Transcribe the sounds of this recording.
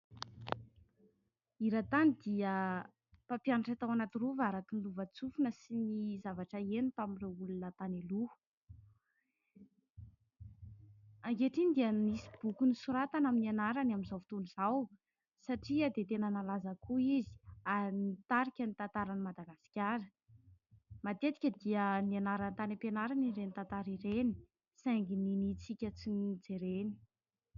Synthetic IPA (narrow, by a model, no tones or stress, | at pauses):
iɾat̪anid̪iə | papjanaʈ͡ʂat̪awanat̪iruvaɾak̪inluvat͡sufunəsinizavaʈ͡ʂəenup̪aminreulunət̪aneluu̥ | aŋɡeʈ͡ʂinid̪iənisi̥b̥ukunisuɾat̪anaminianaɾanaminzawfi̥t̪onizaw | saʈ͡ʂiad̪et̪enənalazakuizi̥anit̪aɾikʲənit̪ant̪aɾanimad̪aɡasi̥kʲaɾə̥ | mat̪et̪i̥kʲəd̪iənianaɾant̪anipenaɾaniɾenit̪ant̪aɾiɾeni̥ | saŋɡininit͡sikʲət͡sinid͡zeɾeni̥